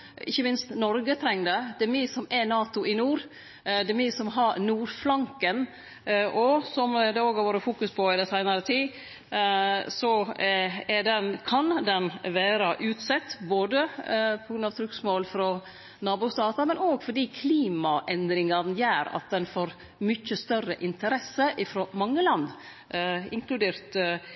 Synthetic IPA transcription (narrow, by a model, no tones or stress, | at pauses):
ɪçːəmɪnst̪nɔɾɡət̪ʰɾɛŋːd̪əd̪̥ɛmisɔmɛnɑːt̪ʊʔɪnuːɾ | d̪ɛmɪsɔmɦɑɾnuːɾflɑŋkən | ʔɔsɔmd̪ɛoːɡhɑʋoːɾəfuːkʉspʰɔɪd̪ɛsæɪnɑɾət̪ʰiː | sɔ | ɛɖɛnkʰɑnd̪ɛnʋæːɾəʔʉːt̪sɛt̪ːboːd̪əpʰɔɡɾʉnɑʋt̪ʰɾʉksmoːlfɾɔ | nɑːbuːsd̪ɑːt̪ɑmɛnoːɡfɔɖiːkʰliːmɑʔɛnd̪ɾɪŋɑnjæːɾɑ̰t̪̚d̪ɛnfoːɾ | mʏt͡ʃːəst̪œrəʔɪnt̪ʰəɾɛsəʔɪfɾɔːmɑŋːəlɑnd̪ | ɪŋkʰlʉd̪eːɾt̪